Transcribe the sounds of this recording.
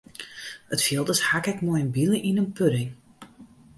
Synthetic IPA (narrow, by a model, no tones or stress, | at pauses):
ətfilˠdəshakɛkmojənbiləʔinənpʰøɾɪŋ